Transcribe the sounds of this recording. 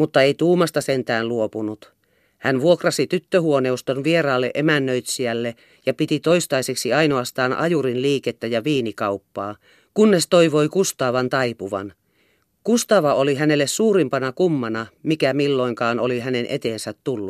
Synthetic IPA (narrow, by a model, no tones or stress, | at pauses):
mut̪ːɑeit̪uːmɑst̪ɑsent̪æːnluopunut̪ | hænʋuokrɑsit̪yt̪ːøhuoneust̪onʋieɾɑːlːḛʔemænːøit̪siælːe | jɑpit̪it̪oist̪ɑiseksiɑinoɑst̪ɑːnʔɑ̰juɾinliːket̪ːæjɑʋiːnikɑupːɑː | kunːest̪oiʋoikust̪ɑːʋɑnt̪ɑipuʋɑ̰n | kust̪ɑːʋɑoliɦænelːessuːɾimpɑnɑkumːɑnɑmikæmilːoiŋkɑːnoliɦænenʔḛt̪eːnsæt̪tulːu